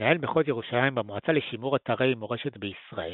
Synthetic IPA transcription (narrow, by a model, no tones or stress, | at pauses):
ae̞lbeχotje̞ʁuʃalajimbemoat͡saleʃimuʁat̪aʁejimoʁe̞ʃe̞tbeisʁa̰e